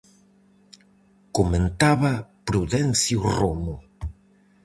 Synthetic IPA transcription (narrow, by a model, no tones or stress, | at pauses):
komẽnt̪aβɐpɾuðɛnθjuromʊ